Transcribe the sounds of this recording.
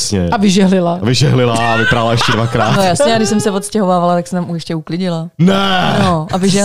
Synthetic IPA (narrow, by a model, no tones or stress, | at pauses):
sɲɛavɪʒɛɦlɪlavɪʒɛɦlɪlavɪpɾalaɛʃcɛdvakɾaːt̪nojasɲɛaɡdɪʃsɛmsɛvot̪scɛɦo̞vaːvalat̪aksɛmt̪amuɛʃcɛuklɪɟɪlanɛnoʔavɪʒɛ